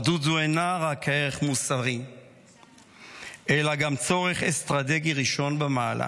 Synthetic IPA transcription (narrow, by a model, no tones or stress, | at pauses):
dut̪zuenaʁakeʁeχmusaʁim | ʔelaɡamt͡so̞ʁeχest̪ʁat̪eɡiʁiʃo̞nbemaːla̰